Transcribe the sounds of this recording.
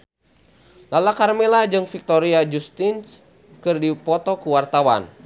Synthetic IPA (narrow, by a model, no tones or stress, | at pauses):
lalakarmɛlad͡ʒɨŋfik̚t̪ɔɾiad͡ʒust̪ins | kɨrdipɔt̪ɔkuwart̪awa̰n